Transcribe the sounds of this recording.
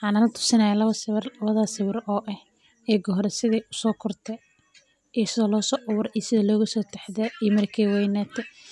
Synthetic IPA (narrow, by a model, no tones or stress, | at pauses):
ħɑːnɐlɐt̪ʰʊ̥sɪnajalɐβɐsɪrɐβɐðasɪwɪɾɔːʔɛh | ɛːɡɔɦɾɛsɪðɛʊsɔːkʰɔrt̪ʰɛ | ijsɪðɐlɔːsɔːʔʊwʊɾijsɪðɐlɔːɣɐsɔːt̪ʰɛħðɛijmɐrkʰɛːwɛjnɛːt̪ʰɛ